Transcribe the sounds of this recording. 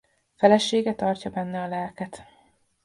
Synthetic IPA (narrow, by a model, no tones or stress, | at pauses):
fɛlɛʃeːɡɛt̪ɒrcɒbɛnːɛɒlɛlkɛt̪